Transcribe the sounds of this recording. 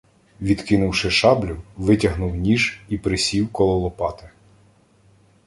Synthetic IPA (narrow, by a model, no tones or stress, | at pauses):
ʋʲid̪kɪnʊwʃɪʃɑblʲʊʋɪtʲɐɦnʊwnʲiʒipɾɪsʲiwkɔlˠɔlˠɔpɑt̪ɪ